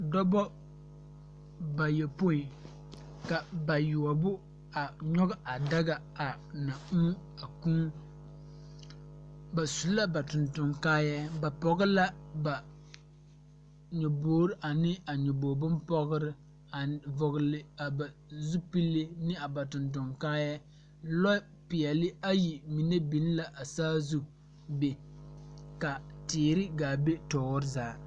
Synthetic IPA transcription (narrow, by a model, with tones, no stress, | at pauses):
dɔ˦bɔ˦ | ba˨jɛ˨po˦i˨ | ka˨ba˨jʊ˨a˨bʊ˦ | a˨ɲɔ˦ɡa˦ʔa˨da˦ɡa˦ | a˨ | na˨u˦ | a˨ku˦ | ba˨su˨la˦ba˨tʊ˨ntʊ˨ŋkaː˦ja˦ba˨pɔ˨ɡɨ˦la˦ba˨ | ɲo˨boː˦ɾɪ˦ʔa˨nɪ˦a˨ɲo˨boː˨bʊ˦mpɔ˦ɣɪ˦ɾɪ˦ | a˨vʊ˨ɣɪ˨lɪ˨a˨ba˨ | zu˦pi˦lːɪ˦nɪ˦a˨ba˨tʊ˨nt̬ʊ˨ŋkaː˦jɛ˦ | lɔ˦ | pɪ˨ɛ˨lɪ˦a˦ji˨mi˨ne˦bi˨˦n˦la˨ʔa˨saː˦zu˦ | be˨ | ka˨tɪː˨ɾɪ˦ɡaː˨be˦tɔː˨wʊ˦ɾɪ˦zaː˨˦